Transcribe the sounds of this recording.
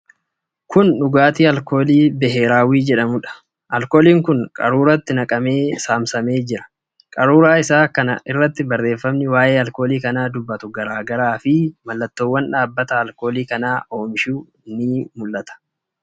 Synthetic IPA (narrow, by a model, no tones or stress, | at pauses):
kʊnᶑʊɡaːt̪iːɐlko̞ːliːbɛɦeːɾaːwiːd͡ʒɛᶑɐmʊᶑɐ̥ | ʔɐlko̞ːliːŋkʊnkʼɐ̰ɾuːɾɐt̪ːɪnɐkʼɐme̞ːsaːmsɐme̞ːd͡ʒɪɾɐ̥ | kʼɐɾuːɾaːɪsaːkɐnɐ̰ʔɪrːɐt̪ːɪbɐrːe̞ːfːɐmnɪwaːʔe̞ːɐlko̞ːliːkɐnaːd̪ʊbːɐt̪ʊɡɐɾaːɡɐɾaːfɪmɐlːɐt̪ːoːwːɐnᶑaːbːɐt̪ɐːlko̞ːliːkɐnaːʔo̞ːmɪʃuː | ɪnːiːmʊlːɐt̪ɐ̥